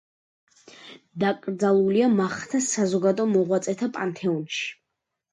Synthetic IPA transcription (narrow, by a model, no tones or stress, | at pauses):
d̪akʼɾd̪zalˠuliamaχt̪ʰasazɔɡad̪ɔmɔʁwat̪sʼɛt̪ʰapʼant̪ʰɛɔnʃi̥